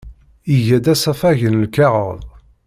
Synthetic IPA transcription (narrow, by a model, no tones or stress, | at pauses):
iʝæd̪æsæfæʝənlkæʁə̰ðˤ